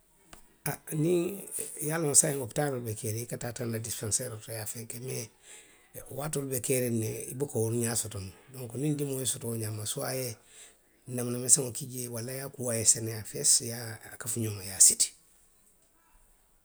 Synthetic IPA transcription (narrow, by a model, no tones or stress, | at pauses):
anijalonsajiŋoptaɾolbekeɾiikatatanadispãnseɾotojafekeme | watolbekeɾeneḭbukawuɾɲasotondoŋkonind͡ʒimojisutoɲamːasuaje | namnameseŋokiɟewalːajakuwajesenejafesjakafuɲomajasiti̥